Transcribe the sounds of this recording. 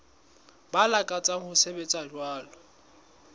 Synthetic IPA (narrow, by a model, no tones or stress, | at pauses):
balakʼat͡sʼaŋ̩hʊsebet͡sʼad͡ʒwaːlɔ